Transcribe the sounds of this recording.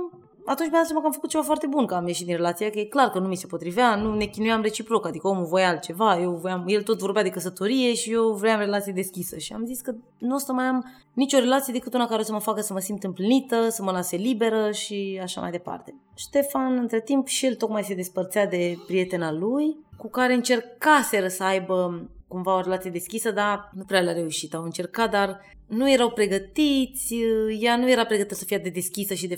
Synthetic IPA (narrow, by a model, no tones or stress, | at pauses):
at̪unt͡ʃmed̪at̪samakəamfəkut̪̚t͡ʃe̞vafoart̪e̞bunkəamje̞ʃit̪d̪inre̞lat̪siakəjeklarkənumise̞po̞t̪ɾiveanune̞kʲinujamre̞t͡ʃipɾo̞kad̪ikəomuvo̞jalt̪̚t͡ʃe̞vaje̞wvojamje̞lt̪o̞t̪vo̞rbead̪e̞kəsət̪o̞ɾije̞ʃijewvɾeamre̞lat̪sijed̪e̞skʲisəʃia̰mziskə | nuost̪əmajam | nit͡ʃo̞ɾe̞lat̪sie̞d̪e̞kɨt̪unakaɾeos̬əməfakəsəməsimt̪ɨmplinit̪əsəməlaselibe̞ɾəʃiaʃa̰mʔa̰jd̪e̞pa̰rt̪e̞ | ʃt̪e̞fanɨnt̪ɾe̞t̪impʃije̞lt̪o̞kmajse̞d̪e̞spərt̪siad̪e̞pɾije̞t̪e̞nalujkukaɾe̞ɨnt͡ʃe̞rkase̞ɾəsəajbəkumvao̞ɾe̞lat̪sije̞d̪e̞skʲisəd̪anupɾealaɾe̞uʃit̪awɨnt͡ʃe̞rkat̪̚d̪ar | nuje̞ɾawpɾe̞ɡət̪it̪sʲjanuje̞ɾapɾeɡət̪it̪əsəfiad̪ed̪e̞skʲisəʃid̪e